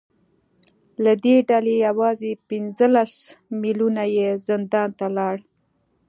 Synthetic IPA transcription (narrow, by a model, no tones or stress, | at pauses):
lad̪eɖalejawɑzepɪnzəlasmilunajezɪnd̪ɑnt̪alɑɽ